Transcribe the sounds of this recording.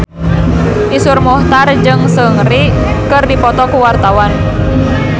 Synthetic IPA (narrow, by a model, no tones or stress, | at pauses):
ʔisurmɔht̪ard͡ʒɨŋsəŋri | kɨrdipɔt̪ɔkuwart̪awan